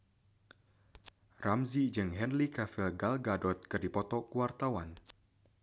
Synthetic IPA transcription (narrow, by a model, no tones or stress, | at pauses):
ramzid͡ʒɨŋɦɛnlikafilɡalɡadɔt̪̚kɨrdipɔt̪ɔkuwart̪awan